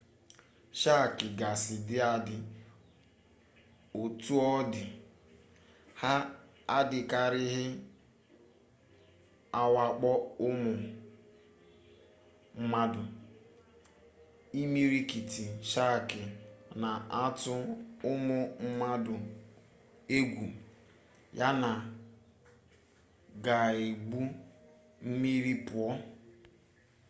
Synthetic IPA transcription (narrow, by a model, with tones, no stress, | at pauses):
ʃa˦˨kɪ˨ɡa˨sɪ˨dɪ˦a˦dɪ˨ | o˨tu˦ɔ˦dɪ˨ | ha˦ | a˦dɪ˨ka˦ɾɪ˦ɦɪ˦ | a˦wa˦k͡pɔ˦ʊ˦mʊ˨ | m̩˦ma˦dʊ˨ | i˦mi˦ɾi˦ki˨ti˨ʃa˦˨kɪ˨na˨a˦tʊ˦ʊ˦mʊ˨m̩˦ma˦dʊ˨ | e˦ɡʷu˨ | ja˦na˨ | ɡa˨e˨ɡ͡bu˦ | m̩˦mi˦ɾi˦pʊ˨ɔ˦